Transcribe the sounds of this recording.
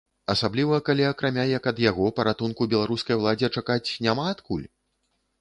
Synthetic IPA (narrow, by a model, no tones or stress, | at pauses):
ɐsablʲivɐːkalʲiɐkɾamʲajɐkɐd̪jaɣɔpɐɾat̪unkubʲɛlˠaɾuskɐjwlˠad͡zʲɛt͡ʂakat͡sʲnʲamaːt̪kulʲ